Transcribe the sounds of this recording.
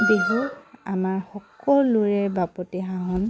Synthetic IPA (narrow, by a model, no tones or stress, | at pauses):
deɦuamaɹxɔkɔluɹɛbapɔtiɦaɦɔn